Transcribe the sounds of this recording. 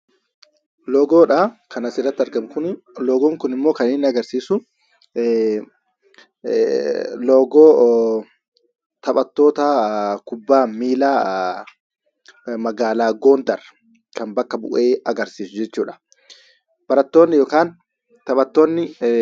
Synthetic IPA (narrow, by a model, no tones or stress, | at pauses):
loːɡo̞ːᶑakʰɐnɐsɪrːɐt̪ːɪɐɾɡɐmkʊn | loːɡoːŋkʊnɪmːo̞ːkɐneːnːɪɐɡɐɾsiːsʊ | loːɡoː | t̪ɐpʼɐt̪ːo̞ːt̪akʊbːaːmiːlaː | mɐɡaːlaːɡo̞ːnd̪ɐrɐ | kɐmbɐkːɐbʊʔe̞ːɐɡɐɾsiːsʊd͡ʒɛt͡ʃːuːᶑɐ̥ | b̥ɐɾɐt̪ːo̞ːnːɪjoːkaːn | t̪ɐpʼɐt̪ːoːnːɪ